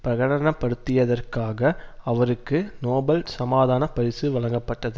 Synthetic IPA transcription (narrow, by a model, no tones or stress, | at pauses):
pɾɐɣɐɽɐnɐpːɐɽɯt̪ːɪjɐðɐrkaːɣɐɐʋɐɾɯkːɯnoːbɐlsɐmaːðaːnɐpɐɾɪsɯʋɐɭɐŋɡɐpːɐʈːɐðɯ